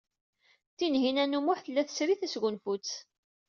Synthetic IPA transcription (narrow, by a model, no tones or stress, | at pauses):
θinɦinænumʊħθəlːæθə̥sɾiθæsɡʷʊnfut͡sː